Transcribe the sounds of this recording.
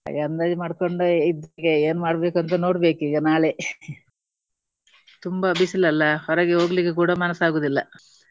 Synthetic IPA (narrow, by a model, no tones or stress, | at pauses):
a̰ɡɐnd̪aːd̪imaːɽkoɳɖuid̪ɡeeːnumaːɽbe̞ːkuɐnt̪ɐno̞ːɽbe̞ːkiːɡɐnaːɭe | t̪umbɐɐbisilːɐlːɐhɔɾɐɡeɦoːɡɐlikːek̬uːɽɐmɐnɐsaːɡoːd̪ilːɐ